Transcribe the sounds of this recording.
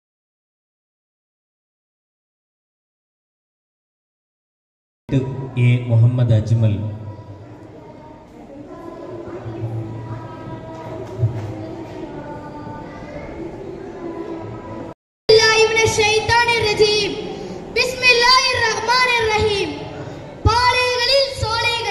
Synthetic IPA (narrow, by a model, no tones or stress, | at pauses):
ʈɨeːmuɦɐmːɐd̪ɐd͡ʑmɐl | lːaːɦibnɐʃɐjt̪aːnerɐd͡ʑiːmbismilːaːɦirːɐɦmaːnerːɐɦiːm | paːleːɣɐɭilsoːleːɡɐ